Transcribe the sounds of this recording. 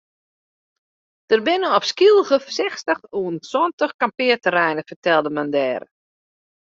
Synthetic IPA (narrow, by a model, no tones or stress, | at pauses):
d̥ərbɪnəɔpskilˠɣəsɛxstəxuənsɔntəxkampɪətəɾɛjnəfərtɛlˠdəmandɛːɾə̰